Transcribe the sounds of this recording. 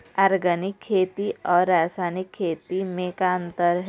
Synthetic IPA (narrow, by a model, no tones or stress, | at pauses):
aːɾɡənɪkʰːeːt̪iɔːɾːaːsaːnɪkʰːeːt̪imẽkaə̃nt̪əɾɦ